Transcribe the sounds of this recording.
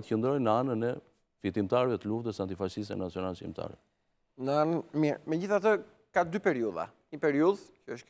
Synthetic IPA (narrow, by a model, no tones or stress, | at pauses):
t̪əçənd̪ɾɔjnəanənɛ | fit̪imt̪aɾvɛt̪əluft̪əsant̪ifaʃist̪ɛ̰nat͡siɔnalʃḭmt̪ʰa̰ɾɛ̰ | nəanənmiɾmɛd͡ʑiθat̪ə | kad̪ypɛɾiuða̰ | ɲipɛɾiuðcəəʃ